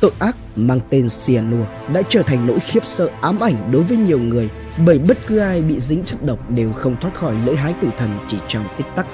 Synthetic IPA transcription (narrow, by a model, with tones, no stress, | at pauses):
t̪o̰˧˨jʔaː˦˥k̚maː˧ŋt̪e˧nsi˧a˧nu˧ə | ɗa̰ː˧˥t͡ɕəː˧˩t̪ʰa˨˩jŋ̟no̰˧˥jxi˦˥əp̚sə̰ː˧˨ʔaː˨˦mʔa˧˩jŋ̟ɗo˨˦jvəː˨˦jɲi˨˩əwŋɨ˨˩əj | ɓəː˧˩jɓə˦˥t̚kɨ˨˦ʔaː˧jɓḭ˧˨zï˨˦ŋ̟t͡ɕə˦˥p̚ɗə˨˩wk͡p̚ɗe˨˩wxə˧wŋ͡mt̪ʰwaː˦˥t̚xɔ˧˩jlə̰ː˧˥jɦaː˨˦jt̪ɨ˧˩t̪ʰə˨˩nt͡ɕi˧˩t͡ɕɔ˧wŋ͡mt̪i˦˥k̚t̪a˦˥k̚